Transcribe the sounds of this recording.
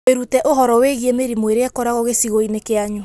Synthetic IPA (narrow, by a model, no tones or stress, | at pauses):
eɾutɛʔoɦɔɾɔweɣiemeɾimweɾeakɔɾaɣoɣesiɣoinekeaɲu